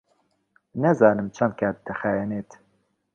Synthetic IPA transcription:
nɛzɑːnɨmt͡ʃʰɛnd̪̚kʰɛt̪d̪ɛxɛjɛneːt̪

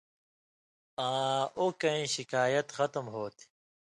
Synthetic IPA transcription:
ãːokɐĩɕikaːjɐt̪xɐt̪mɦoːt̪ʰi̥

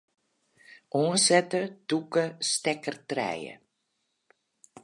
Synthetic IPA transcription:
ʔonsɛtədukəstɛkərtrɛ̰jə̰

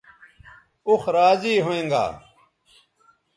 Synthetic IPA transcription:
uxɾaːziːɦoẽːŋɡa̰ː

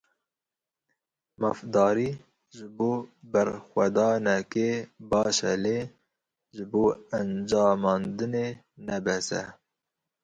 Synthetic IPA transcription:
mɑfd̪ɑːɾiː | ʒɨboːbæɾxʷɛd̪ɑːnɛkebɑːʃɛ̰leː | ʒɨboːænd͡ʒɑːmɑːnd̪ɨneː | nɛbɛsɛ̰

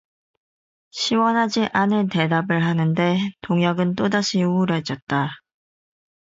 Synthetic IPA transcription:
ɕʰiwʌnɦad͡ʑiʔanɯnte̞dabɯɭɦanɯnde̞toŋjʌɡɯnt͈odaɕʰiuɾʌd͡ʑʌt̚t͈a

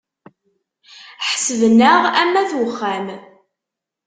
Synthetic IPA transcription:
ħsəðnəʁæmːæθwəχːæm

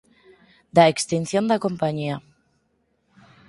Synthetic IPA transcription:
d̪aekst̪inθjond̪akompaɲia

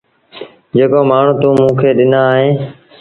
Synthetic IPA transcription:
d͡ʒeːkoːmaːɳ̤ũːt̪uːmũːkʰeːɗɪnaːɦẽː

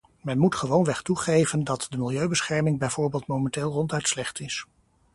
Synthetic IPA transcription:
mɛnmutχəʋownʋɛχtuχejvəndɑtdəmɪlˠjøɥbəsχɛɹmɪŋbɛjvʊːɹbeːlˠtmowmɛnteːlˠrɔntœɥtslɛχtɪs

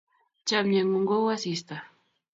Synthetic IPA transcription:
t͡ʃamɲaŋoŋɡowasist̪a

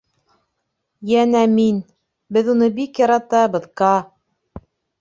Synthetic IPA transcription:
jænæmin | bɘðunɤbikjɑɾɑt̪ɑbɤ̆ðqɑ

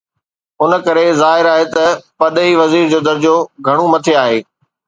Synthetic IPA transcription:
ʊnə̆kɐɾezaːɦɪɾaːɦet̪ɐpɐɗɦiʋɐziːɾd͡ʑoːd̪ɐɾd͡ʑoɡʱɐɽ̃ũmɐt̪ʰeaːɦeː

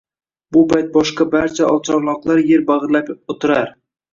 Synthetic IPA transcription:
bʊpʰajt̪̚bɒʃqɑbaɾt͡ʃʰaʔɒlˠt͡ʃʰɒɾlˠɒqlˠaɾjeɾbaʁɨɾlapot̪ʰɪɾaɾ

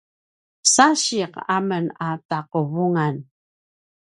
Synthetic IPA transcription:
saɕiqa̰mənataqəvuŋan

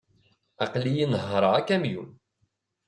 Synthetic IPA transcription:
ɑqlijinəɦɾˤəakːæmjun

